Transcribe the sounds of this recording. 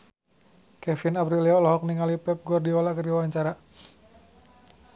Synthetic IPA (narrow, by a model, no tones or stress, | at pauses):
kɛfinapɾiliɔlɔɦɔk̚niŋalipɛp̚ɡɔrdiɔlakərdiwawaɲt͡ʃaɾa